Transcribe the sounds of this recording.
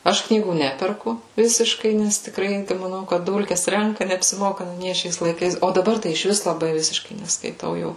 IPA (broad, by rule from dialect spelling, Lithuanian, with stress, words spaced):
ˈɐʃ ˈknʲiːɡuː ˈnʲæːpʲɛrkʊ ˈʋʲɪsʲɪʃkɐɪ nʲɛs tʲɪkˈrɐɪ mɐˈnɐʊ kɐt ˈdʊlʲkʲɛs ˈrʲɛŋkɐ nʲɛɐpʲsʲɪˈmoːkɐ nʊ ˈnʲiɛ ˈʃʲɛɪs lˠɐɪˈkɐɪs oː dɐˈbɐr tɐɪ ɪʃʲˈʋʲɪs lˠɐˈbɐɪ ˈʋʲɪsʲɪʃkɐɪ nʲɛskɐɪˈtɐʊ jɛʊ